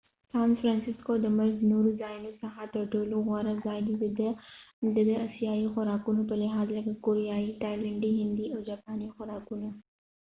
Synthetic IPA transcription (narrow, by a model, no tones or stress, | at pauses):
saːnfɾaːnsɪskod̪əmɐɾznoːɾuzaːjnosɐɦat̪əʈoːloɣaɾɐzaːɡid̪ | d̪əd̪əɐsijaːixʊɾaːkunopɐɾlɪɦaːzlɐɡakoːɾijaːiʈaːjləɳɖiɦɪ̃nd̪ioːd͡ʒaːpaːnixʊɾaːkuna